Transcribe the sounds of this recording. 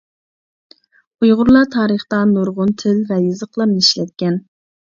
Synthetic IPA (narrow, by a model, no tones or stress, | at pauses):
ujʁʊɾlˠɑt̪ʰɑːɾəχt̪ɑnoɾʁʊnt̪ʰɪlvɛjɨzəqlˠɑmniʃlɛt̪̚kʲɛn